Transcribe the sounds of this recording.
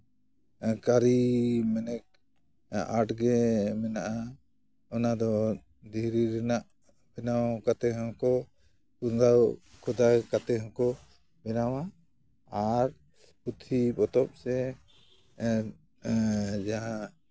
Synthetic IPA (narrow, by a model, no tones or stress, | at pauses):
kaɾimɛnɛk̚ | aʈɡɛmɛnaʔa | ɔnad̪ɔ | d̪iɾiɾɛnaʔ | bɛnawkat̪ɛɦɔ̃kɔ | kund̪awkʰɔd̪akat̪ɛɦɔ̃kɔ | bɛnawa | aʈ̚ | ut̪ʰipɔt̪ɔp̚sɛ | d͡ʒaa